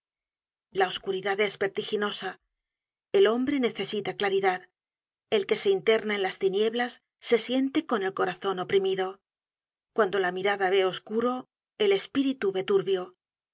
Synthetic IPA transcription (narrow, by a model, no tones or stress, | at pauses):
lao̞skuɾiðaðe̞zβe̞ɾt̪ixino̞sa | e̞lo̞mbɾe̞ne̞θe̞sit̪aklaɾiðað | e̞lke̞se̞int̪e̞ɾnaenlast̪inje̞βlasː | e̞sje̞nt̪e̞ko̞ne̞lko̞ɾaθo̞no̞pɾimiðo̞ | kwand̪o̞lamiɾaðaβe̞o̞skuɾo̞ | e̞le̞spiɾit̪uβe̞t̪uɾβjo̞